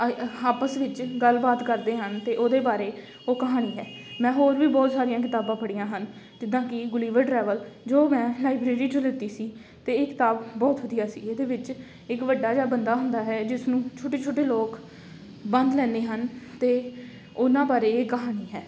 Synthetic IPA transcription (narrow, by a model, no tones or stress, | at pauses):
aːpəsʋɪt͡ʃɡəlbaːt̪kəɾd̪eːɦənt̪eːʔoːd̪eːbaːɾeː | oːkəɦaːñiːɦɛː | mɛ̃ːɦoːɾʋiːbɔːt̪saːɾijãːk̬ɪt̪aːbãːpəɽijãːɦən | d͡ʒɪd̪ãːkɪɡʊliːʋəʈɾɛːʋəld͡ʒoːmɛ̃ːlaːɪbɾeːɾiːt͡ʃʊlɪt̪ːiːsiː | t̪eːɪkɪ̥t̪aːbbɔːt̪ɦʊd̪ɪjaːsḭːeːd̪eːʋɪt͡ʃ | ɪkʋəɖːaːd͡ʒaːbənd̪aːɦʊ̃nd̪aːɦɛːd͡ʒɪsnũːt͡ʃʰoːʈeːt͡ʃʰoːʈeːloːk | bənd̪lɛ̃ːnd̪eːɦənt̪eː | ʊnãːbaːɾeːeːkəɦaːniːɦɛː